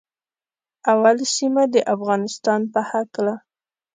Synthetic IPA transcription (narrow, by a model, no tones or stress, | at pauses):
awalsimad̪əʔafɣɑnɪst̪ɑnpəhakla